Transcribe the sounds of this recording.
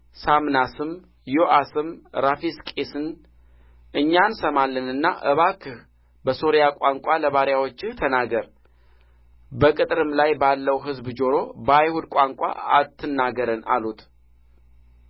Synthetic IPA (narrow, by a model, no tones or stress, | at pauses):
samnasɨm | joʔasɨmɾafiskʼesɨn | ʔɨɲːansəmalːənɨnːa̰ʔə̰βakʰɨh | bəso̞ɾjakʷʼaŋkʷʼaləβaɾjawo̞t͡ʃːɨht̪ʰənaɡəɾ | bəkʼɨt̪ʼɾɨmlajbalːəwɦɨzbd͡ʒo̞ɾo̞bəajhud̪kʷʼaŋkʷʼa̰at̪ʰːɨnːaɡəɾəna̰lut̪